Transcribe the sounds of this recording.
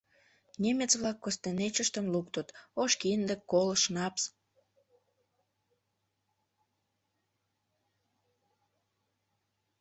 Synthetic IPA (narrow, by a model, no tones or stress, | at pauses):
nʲemet͡sβlɑkːost̪enet͡ɕəʃt̪əmlukt̪ət̪oʃkind̪əkːoləʃnɑps